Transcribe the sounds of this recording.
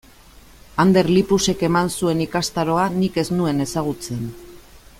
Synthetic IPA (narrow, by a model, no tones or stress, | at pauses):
and̪e̞ɾlipuse̞ke̞mansue̞nikast̪aɾo̞anike̞znue̞ne̞saɣ̞ut͡se̞n